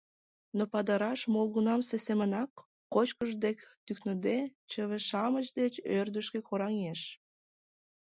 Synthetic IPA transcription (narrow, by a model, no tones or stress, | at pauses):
nopɑd̪ɑɾɑʃmolˠɣunɑmsesemənɑkː | ot͡ɕkəʒd̪ekt̪yknod̪et͡ɕəβeʃɑmət͡ɕd̪et͡ɕørd̪əʃkekoɾɑŋeʃ